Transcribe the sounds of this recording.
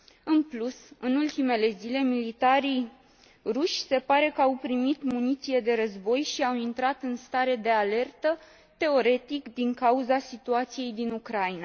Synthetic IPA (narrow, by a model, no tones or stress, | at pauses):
ɨnplusɨnult̪ime̞le̞zile̞milit̪aɾij | ruʃʲse̞paɾe̞kəawpɾimit̪munit̪sije̞d̪e̞ɾəzbo̞jʃiawint̪ɾat̪ɨnst̪aɾe̞d̪e̞ale̞rt̪ə | t̪e̞o̞ɾe̞t̪ikd̪iŋkauzasit̪uat̪sije̞jd̪inukɾaina